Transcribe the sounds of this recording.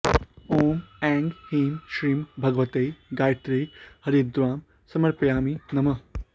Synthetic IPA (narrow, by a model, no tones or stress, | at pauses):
oːmɛːŋɡhiːmʃɾiːmbʱɐɡʋɐt̪ejɡaːjt̪ɾɐjhɐɾiːd̪ɾaːm | sɐmɐɾpjaːminɐmɐ